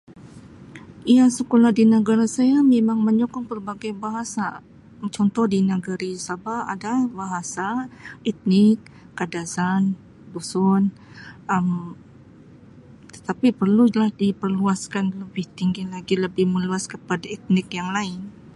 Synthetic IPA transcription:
ijasəkolahdinəɡaɾasajamemaŋməɲɔkɔŋpərbaɡajbaɦasa | t͡ʃɔnt̪ɔhdinəɡəɾisabaadabaɦasaɛt̪̚nɪkː | adasan | busʊn | əm | t̪ə̥t̪apipərlulahdipərluaskanləbɪht̪iŋɡilaɡiləbɪhməluaskəpadait̪̚nɪkjaŋlaɪn

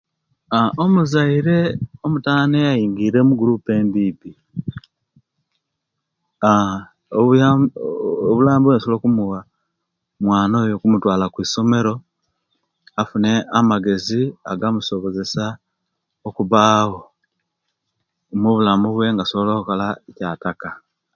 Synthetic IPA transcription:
aomuzaiɾe̞omutaːnejajiːŋɡiːɾe̞muɡuɾupe̞ːnbiːpi | a | βulaːmbuwensookumuwa | mwaːnojo̞kumutwaːlakwiːso̞me̞ɾo̞ | afune̞amaɡe̞ziaɡamuso̞βo̞ze̞sa | okuβaːho̞ | muβulamuβwe̞ŋɡaso̞βoloːkukolaecaːtaka

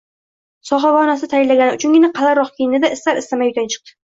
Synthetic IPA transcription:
sɒχɑvɒnasɪt̪ʰajɪlːaɡʲanɪʊt͡ʃʰʊŋɡʲɪnaqʰɑlaɾɒqkʲʰejɪnɪd̪aɪst̪aɾɪst̪amajʊt̪ʰant͡ʃʰɨ̥q̚t̪ɪ̥

